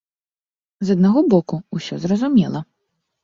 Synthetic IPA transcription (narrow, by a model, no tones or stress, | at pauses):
zɐd̪naɣɔbɔkuusʲɔzɾɐzumʲɛlˠɐ